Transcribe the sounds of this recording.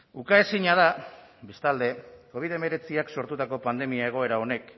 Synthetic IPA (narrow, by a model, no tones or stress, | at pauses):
ukaesiɲaða | be̞st̪ald̪e̞ko̞β̞iðe̞me̞ɾe̞t͡siakso̞ɾt̪ut̪ako̞pand̪e̞miae̞ɣ̞o̞e̞ɾao̞ne̞k